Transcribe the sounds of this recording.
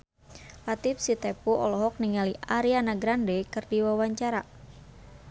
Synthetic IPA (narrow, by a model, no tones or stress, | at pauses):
lat̪ifsit̪ɛpuɔ̰lɔɦɔk̚niŋaliʔaɾianaɡɾandekɨrdiwawaɲt͡ʃaɾa